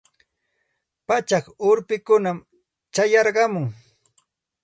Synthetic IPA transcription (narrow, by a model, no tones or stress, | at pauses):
pat͡ʃɑχʊɾpɪkʊnam | t͡ʃajɑɾɢɑmʊŋ